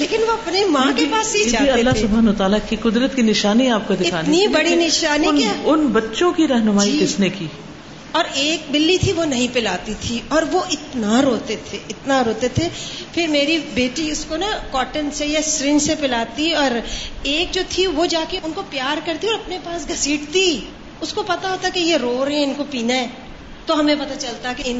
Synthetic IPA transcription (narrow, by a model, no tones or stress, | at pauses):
leːkɪnʋoɐpnemãkepaːsid͡ʒaːiɐlːaɦsʊbʱaːnʋɐt̪aːlakikʊd̪ɾət̪kinɪʃaːniaːp̚kod̪ɪɪtkaːnnibɐɽinɪʃaːninʊnbɐtːʃõkiɾɐɦnʊmaːiɪsnekiː | ɔːɾeːk̚bɪlːit̪ʰiʋonɐɦĩpɪlaːt̪it̪ʰiɔːɾʋoʔɪt̪naɾoːt̪et̪ʰeʔɪt̪naɾoːt̪et̪ʰefɪɾmeːɾibeːʈiʊskonakɔːʈənsejasɾɪ̃nd͡ʒsepɪlaːt̪iɔːɾeːk̚d͡ʒoːt̪ʰiʋod͡ʒaːkeʊnkopjaːɾkɐɾt̪iɔːɾɐpnepaːsɡʱɐsiːʈt̪i | ʊskopɐt̪aɦoːt̪aɛkejeɾoːɾɦɛ̃ɪnkopiːnaɛ̃ | t̪oɦɐmẽpɐt̪at͡ʃɐlt̪aɦɛkeɪn